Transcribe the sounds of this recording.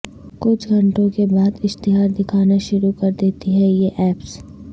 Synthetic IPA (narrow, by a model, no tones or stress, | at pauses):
kʊt͡ʃʰɡʱɐ̃ɳʈõkebaːd̪ɪʃt̪ɪɦaːɾd̪ɪkʰaːnaʃʊɾukɐɾd̪eːt̪iɦɛjeʔɛːps